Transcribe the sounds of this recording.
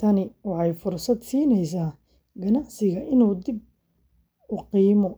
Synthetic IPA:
t̪ʰɐnɪwɑħɑjfʊrsɐd̪siːnɛjsaː | ɡɐnɑʕsɪɣɐʔɪnuːd̪ɪb̚ | ʊqiːmɔ

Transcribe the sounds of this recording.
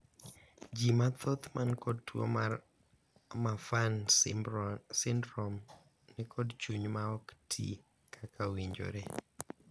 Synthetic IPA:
d͡ʒimat̪ʰɔt̪mankɔd̚two̰ | mafan | sɪndɾɔm | nɛkʰɔdt͡ʃuɲmaɔktʰḭ | kʰakʰawiɲd͡ʒo̰ɾe

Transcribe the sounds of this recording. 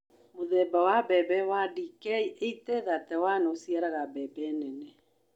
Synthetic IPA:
moðɛbawabɛbɛwadikɛieitɛðatɛwanosiaɾaɣabɛbɛnɛnɛ

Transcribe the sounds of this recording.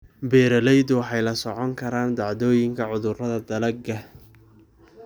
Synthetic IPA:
bɛːɾɐlɛjd̪ʊwɑħɑjlɐsɔʕɔŋkʰɐɾaːnd̪ɑʕðɔːjɪŋkʰɐʕʊðʊrɐðɐd̪ɐlɐɡɐ

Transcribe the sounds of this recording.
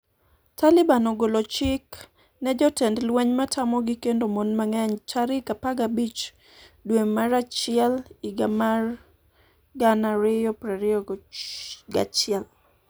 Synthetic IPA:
talɪbanɔɡolot͡ʃɪk | nɛd͡ʒɔtɛndlwɛɲmatʰamɔɡɪkendomonmaŋɛɲt͡ʃaɾɪkapaɡabit͡ʃ | dwemaɾat͡ʃɪɛlɪɡamar | ɡanaɾɪjɔpɾɛɾɪɔ | ɡa̰t͡ʃɪɛl

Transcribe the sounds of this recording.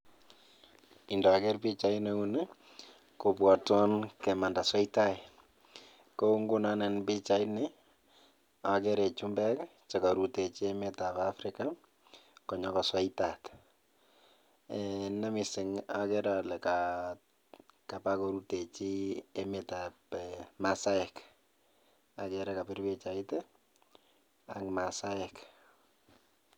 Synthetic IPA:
ɪndɔakɛrpit͡ʃaineunɛ | kobwatɔnkɛmandaswaɪtai | koŋɡʊnanɛnbit͡ʃaɪnɪ | akɛɾɛt͡ʃumbɛkt͡ʃakaɾutet͡ʃiɛmɛtapafɾɪka | kɔɲɔkaswaɪtat | ɛnamɪsɪŋakɛɾalɛka | kapakɔɾutet͡ʃiɛmɛtapmasajɛk | akɛɾɛkapɪɾbɪt͡ʃaɪtɛ | akmasaɛk

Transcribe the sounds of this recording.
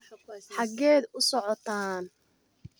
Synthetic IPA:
ħɑɡɛːd̪ʊsɔʕɔt̪ʰaːn

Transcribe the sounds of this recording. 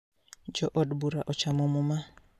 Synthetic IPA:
d͡ʒɔʔɔdbuɾaʔɔt͡ʃamɔmuma

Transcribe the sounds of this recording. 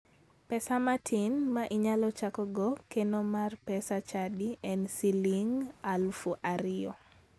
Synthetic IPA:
pɛsamatʰinmaʔiɲalɔt͡ʃakɔɡɔkenɔmarpɛsat͡ʃadiʔɛnsiliŋalfuʔaɾɪɔ

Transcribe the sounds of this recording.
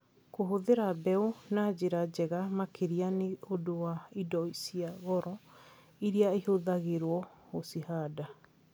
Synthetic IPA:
koɦoðeɾabɛunad͡ʑeɾad͡ʑɛɣamakʰeɾianeodowaidɔisiaɣɔɾɔ | iɾiaehoðaɣeɾwɔosihaːda

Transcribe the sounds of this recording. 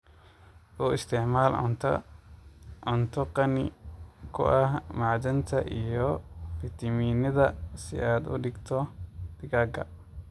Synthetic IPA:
ʔʊɪst̪ɛʕmaːl̰nt̪ɐ̰ | ɔnt̪ʰɔqɐnɪ̰kʰʊ̰ʔɐhmaʕd̪ɐnt̪ʰɐ̰ʔijɔfɪt̪ɐmiːnɐðɐsɪ̰ʔaːd̪ʊ̰ɗɪɡt̪ʰɔd̪̥ɪɡaɡɐ̰

